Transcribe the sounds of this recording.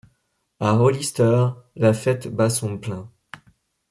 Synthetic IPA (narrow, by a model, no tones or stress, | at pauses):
aʁolist̪œʁlafɛt̪basɔ̃plɛ̃